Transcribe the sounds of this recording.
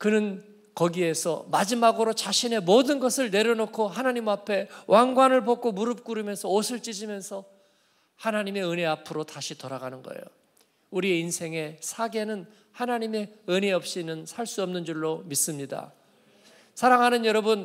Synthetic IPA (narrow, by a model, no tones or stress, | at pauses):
kɯnɯn | kʌɡie̞sʰʌ̰mad͡ʑimaɡɯɾot͡ɕaɕʰine̞modɯnɡʌsʰɯɭne̞ɾʌnokʰoɦanaɲimapʰe̞wʔaŋɡwanɯɭpok͈omuɾɯp̚k͈uɾɯmjʌnsʰʌosʰɯɭt͡ɕ͈id͡ʑimjʌnsʰʌ | hanaɲime̞ɯne̞apʰɯɾotaɕʰitʌɾaɡanɯnɡʌ̰ḛjo | uɾie̞insʰe̞ŋe̞sʰaɡe̞nɯn | hanaɲime̞ɯneʌp̚ɕ͈inɯnsʰaɭs͈uʌmnɯnd͡ʑuɭːomis͈ɯmɲida̰ | sʰaɾaŋɦanɯnjʌɾʌbɯn